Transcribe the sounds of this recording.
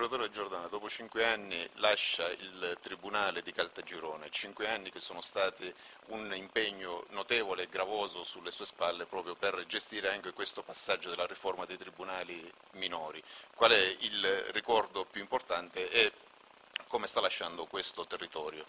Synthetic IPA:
ɾat̪oːɾed̪ed͡ʒord̪aːnad̪ɔːpot͡ʃiŋkweanːilaʃːaḭlt̪ɾibunaːled̪ikalt̪ad͡ʒiɾɔːnet͡ʃiŋkweanːikesːoːnost̪aːt̪i | unimpeɲːonot̪ɛːvoleːɡɾavɔːzosulːesuːespalːepɾɔːpɾjoperd͡ʒest̪iːɾeaŋk̟ekwest̪opasːad͡ʒːod̪elːariformad̪ejt̪ɾibunaːli | minɔːɾikwalɛilrikɔrd̪opjuimport̪ant̪eʔɛ | kːomest̪alːaʃːand̪okwest̪ot̪erːit̪ɔːɾjo

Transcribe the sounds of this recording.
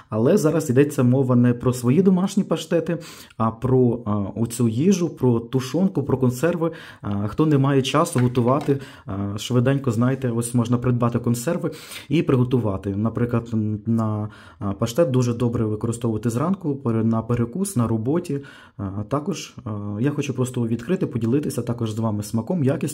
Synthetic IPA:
ɐlˠɛzɑɾɐzid̪ɛt͡sʲːɐmɔʋɐnɛpɾɔsʋɔjid̪ɔmɑʃnʲipɐʃt̪ɛt̪ɪ | ɐpɾɔʊt͡sʲujiʒʊpɾɔt̪ʊʃɔnkʊpɾɔkɔnsɛrʋɪ | xt̪ɔnɛmɑjɛt͡ʃɑsʊɦɔt̪ʊʋɑt̪ɪ | ʃʋɪd̪ɛnʲkɔznɑjɪt̪ɛɔsʲmɔʒnɐpɾɪd̪bɑt̪ɪkɔnsɛrʋɪipɾɪɦɔt̪ʊʋɑt̪ɪnɐpɾɪklˠɐd̪nɐ | pɐʃt̪ɛt̪̚d̪uʒɛd̪ɔbɾɛʋɪkɔɾɪst̪ɔʋʊʋɐt̪ɪzɾɑnkʊpnɐpeɾekusnɐɾɔbɔtʲi | t̪ɑkɔʒjaxɔt͡ʃʊpɾɔst̪ɔʋʲid̪kɾɪt̪ɪpɔdʲilˠɪt̪ɪsʲɐt̪ɑkɔʒzʋɑmɪsmɐkɔmjakʲisʲ

